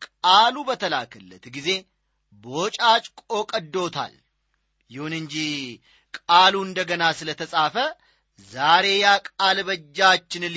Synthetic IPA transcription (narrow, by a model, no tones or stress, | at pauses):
kʼalubət̪ʰəlakʰəlːə̰t̪ɡize̞ | bəot͡ʃʼat͡ʃʼkʼo̞kʼəd̪ːo̞t̪ʰa̰l | jɪhunɨɲd͡ʒi | kʼaluɨnd̪əɡənasɨlət̪ʰəsʼafə | zaɾe̞jakʼalbəd͡ʒːat͡ʃːɪnɨl